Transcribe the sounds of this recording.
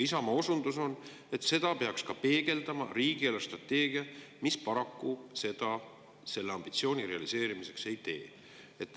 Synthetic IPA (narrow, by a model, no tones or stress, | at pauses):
isɑmɑosund̪̥uso̞n | e̞t̪se̞d̪̥ɑpe̞ɑkskɑpe̞ːɡ̥e̞ld̪̥ɑmɑ̰riːɡ̥ielost̪rɑt̪ːe̞ːɡ̥iɑ | mispɑɾɑkːuse̞d̪ɑ | se̞lːeɑmb̥it̪sio̞ːnʲire̞ɑlise̞ːɾimise̞kse̞jt̪e̞̰ː | e̞t̪ːˑ